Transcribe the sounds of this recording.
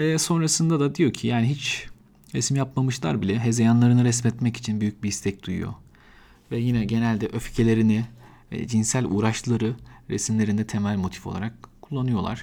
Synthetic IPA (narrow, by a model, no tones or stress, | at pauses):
ɛso̞nɾasɯnd̪ad̪ad̪ijo̞cʰijaːniɦit͡ʃ | ɾɛsmjapmamɯʃlˠa̰ɾbilʲɛɦe̞zejanlˠaɾɯnɯɾɛsmɛt̪mɛci̥t͡ʃʰinbyjyc̚biist̪ʰɛc̚d̪̥ujṵjo̞̰ | vɛjinɛɟe̞nælʲd̪ɛʔøfcʰelʲe̞ɾini | ɛ̰d͡ʒinsælʲṵːɾaʃllˠaɾɯɾḛsimlʲe̞ɾinɛt̪ʰe̞mælʲmo̞t̪ʰi̥fo̞lˠa̰ɾak̚kʰːulˠːanɯjo̞lˠa̰ɾ̝̥